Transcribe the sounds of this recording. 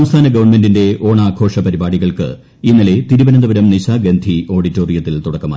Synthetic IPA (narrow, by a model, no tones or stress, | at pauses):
ɐmst̪ʰaːnɐɡɐʋɐrɳme̞ndinde̞o̞ːɳaːkʰo̞ːʂɐpɐɾibaːɽiɣɐɭkɨ̰ | inːɐle̞t̪iɾubɐnɐnd̪ɐʋɐɾɐmniɕaːɡend̪ʱio̞ːɽitːo̞ːrijɐt̪ːilt̪uɽɐkːɐmaː